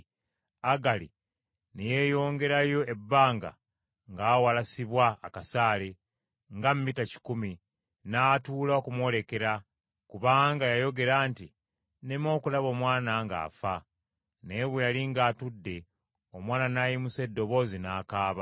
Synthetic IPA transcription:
aɡalḭ | neje̞jo̞ːŋɡe̞ɾajo̞e̞bːaːŋɡa̰ | ŋɡaːwalasiβwaːkasaːle̞ | ŋɡammitaci̥kumi | naːtuːlaokumwo̞le̞ke̞ɾa | kuβaːŋɡajajo̞ɡe̞ɾaːnti | nemo̞ːkulaβo̞ːmwaːnaŋɡa̰ːfa | ne̞βejaliŋɡaːtudːe̞ | o̞mwaːnanaːjimuse̞dːo̞βo̞ːzinaːkaːβa

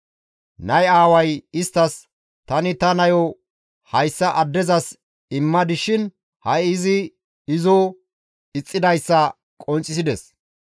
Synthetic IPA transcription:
nɐjaːwɐjɪst̪ːɐs | t̪ɐnɪt̪ɐnɐjɔ | hɐjsːɐʔɐd̪ːɛzɐs | ɪmːɐd̪ɪʃɪn | hɐjɪzɪ | ɪzo | ɪt͡sʼːɪd̪ɐjsːɐ | kʼɔnt͡sʼːɪsɪd̪ɛs

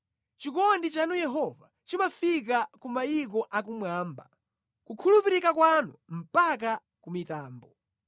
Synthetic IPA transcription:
t͡ʃikɔndit͡ʃanujɛɦɔva | t͡ʃimafik̬akumajikɔʔakumwaːmba | kukʰulupiɾikakwanum̩pak̬a | kumitaːmbɔ

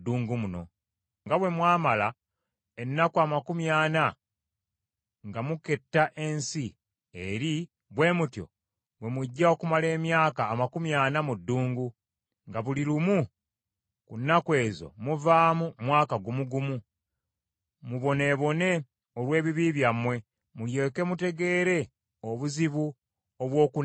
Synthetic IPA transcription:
dːuːŋɡumuno̞̰ | ŋɡaβwe̞mwaːmala | e̞nːakuamakumjaːna | ŋɡamuke̞tːaʔe̞nsi | eɾi | βwe̞ːmutjo̞̰ | βwe̞muɟːao̞kumale̞ːmjaːkaːmakumjaːnamudːuːŋɡu | ŋɡaβuliɾumu | kunːakwe̞ːzo̞̰muvaːmumwaːkaɡumuɡumu | muβo̞ne̞βo̞ne̞ | olwe̞ːβiβiːβjamwe̞ | mulje̞ːke̞mute̞ɡe̞ːɾe̞ | oβuziβu | oβwo̞ːku

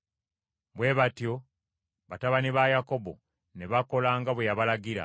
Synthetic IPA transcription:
bwe̞ːβatjo̞ | βataβaniβajako̞bo̞̰ | neβako̞laːŋɡaβwejaβalaɡiɾa̰

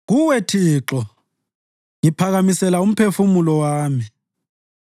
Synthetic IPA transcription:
ɣuwetʰiːǁɔ | ŋipʰaɣamisɛlaum̩pʰefumulɔwaːmi

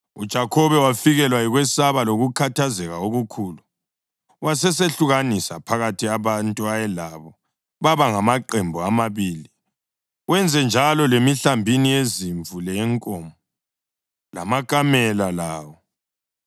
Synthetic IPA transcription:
ud̥ʒ̥ʱakʰɔβɛwafiɣɛlwaiɣwɛsaβaloɣukʰatʰazɛɣaoɣukʰuːlu | wasɛseɬuɣanisa̰pʰaɣatʰiaβantʼuajɛlaβɔ | βaβaŋamaǃɛmbʱuamaβiːli | wɛnd͡zʱɛnd͡ʒʱalɔlemiɬambʱinieziɱvʱulɛŋkʼɔmɔ | lamakʼamɛlalaːwɔ

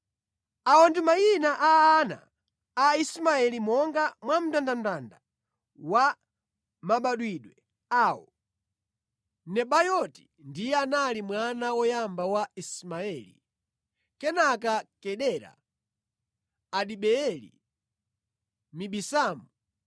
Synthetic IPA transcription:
aɔndimajinaʔaːna̰ː | ismaɛlimɔŋɡamwam̩tandandanda | wa | maɓaɗwiɗwɛ | aːwɔ | nɛɓajɔti̥ | ndijɛanalimwanawɔjambawaismaɛlḭ | kɛnakakɛɗɛɾa̰ | ɗiɓɛɛlḭ | miɓisaːmu

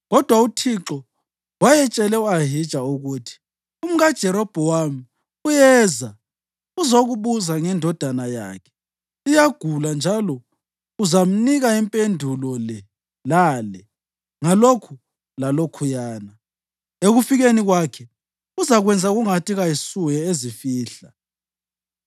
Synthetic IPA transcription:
ɣɔd̥ʱwautʰiǁɔ | wajɛt͡ʃʼɛlɛuaɦid̥ʒ̥ʱauɣuːtʰi̥ | um̩ɣad̥ʒ̥ʱɛɾɔb̥ʱɔwami | ujɛːza | uzoɣuβuzaŋɛndʱɔd̥ʱanaja̰kʰɛ̥ | ijaɡ̥ʱuland͡ʒʱalɔ | uzam̩niɣaimpʼendʱulɔlɛ | laːlɛ | ŋalokʰu | lalokʰujaːna | eɣufiɣeniɣwakʰɛ | uzaɣwɛnd͡zʱaɣuŋatʰʼiɣajisuɣɛezifiːɬa

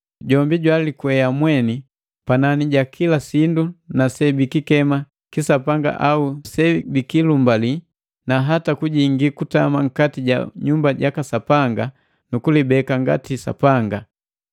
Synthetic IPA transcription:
ɟɔmbiɟwalikwɛjamwɛni | pananiɟakʰilasindunasɛbikikɛma | kisapaŋɡa̰ʔausɛbikilumbali | naɦatakuɟiŋɡikutamaŋ̩katiɟa̰ɲumbaɟakasapaŋɡa | nukulibɛkaŋɡa̰tisa̰paŋɡa

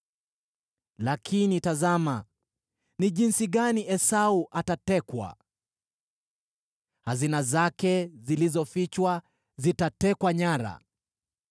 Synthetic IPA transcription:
lakʰinitazama | niʄinsiɠaniʔɛsauʔatatɛkwa̰ | hazinazakɛzilizɔfit͡ʃwa | zitatɛkwaɲaɾa̰

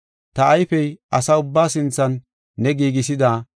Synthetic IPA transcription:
t̪ɐːjfɛjʔɐsaːʊbːaːsɪnt͡sːɐnː | ɛɡiːɡɪs̬ɪd̪aː

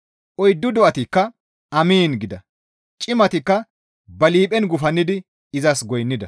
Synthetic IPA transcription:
ʔɔjd̪ːʊd̪ɔʔɐt̪ɪkːɐ | ɐmiːnɡɪd̪ɐ | t͡ʃʼɪmɐt̪ɪkːɐ | bɐliːpʼɛnɡʊfɐnːɪd̪ɪ | ɪzɐsɡɔjnːɪd̪ɐ

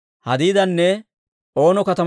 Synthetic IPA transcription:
hɐd̪iːd̪ɐnːɛ | o̞ːnɔkɐt̪ɐ

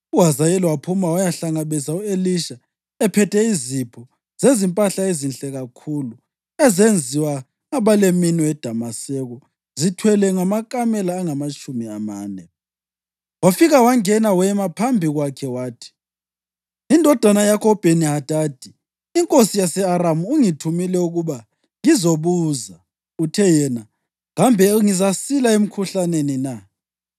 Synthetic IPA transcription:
uwazajɛliwapʰumawajaɬaŋaβɛzaueliʃa | ɛpʰɛtʰɛizipʰɔ | z̥ezimpʼaɬaezinɬʼɛɣakʰulu | ɛzend͡zʱiwa | aβaleminɔɛd̥ʱamasɛɣɔ | zitʰwɛlɛŋamakʼamɛlaːŋamat͡ʃʼumiamaːnɛ | wafiɣawaŋɛnawɛmapʰambʱiɣwakʰɛwaːtʰi̥ | indʱɔd̥ʱwanajakʰɔb̥ʱeniɦad̥ʱaːd̥ʱi | iŋkʼosijasɛaɾamuːŋitʰumilɛuɣuβa | ŋizoβuːza | utʰɛjɛna | ɣambʱɛŋizasilaem̩kʰuɬanenina

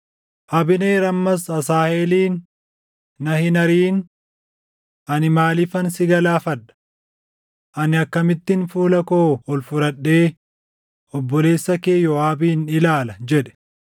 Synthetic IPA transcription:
ʔɐbɪneːɾɐmːɐsɐsaːheːliːnː | ɐhɪnɐɾiːn | ʔɐnɪmaːlɪfɐnsɪɡɐlaːfɐᶑɐ̥ | ʔɐnɪɐkːɐmɪt̪ːɪnfuːlɐkoːɔlfʊɾɐɗːe̞ː | ɔbːɔle̞ːsːɐke̞ːjɔaːbiːnɪlaːlɐd͡ʒɛᶑɛ̥

